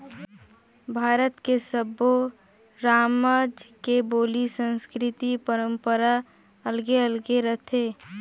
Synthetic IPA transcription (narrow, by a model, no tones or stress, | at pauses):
bʱaːɾət̪kesəbo | ɾaːmad͡ʒkeboːlisə̃nskɾɪt̪ipəɾə̃mpəɾa | əlɡeəlɡeɾət̪ʰeː